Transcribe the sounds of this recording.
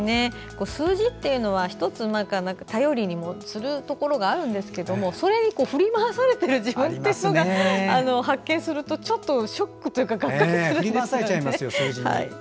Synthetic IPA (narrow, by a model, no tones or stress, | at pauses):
ne̞ | ko̞ːsɨːʑit̪ːe̞jɯ̟no̞β̞açi̥t̪o̞t͡sɨmãŋkanãŋkat̪ajo̞ɾʲiɲ̟imo̞t͡sɨɾɯ̟t̪o̞ko̞ɾo̞ɡaːɾɯ̟̃nd̪e̞sɨ̥ke̞d̪o̞mo̞so̞ɾe̞ɲ̟iko̞ːɸɯ̟ɾʲimaβasaɾe̞t̪e̞ɾɯ̟ʑibɯ̟̃nt̪ːe̞jɯnoɡɡaano̞ɦakːẽ̞ɰ̃sɨɾɯ̟t̪o̞t͡ɕo̞t̪ːo̞ɕo̞kːɯ̟t̪o̞jɯ̟kakakkːakɯsɨɾɯ̟̃ɾʲimaeaseaimasɨjosːiha̰ḭ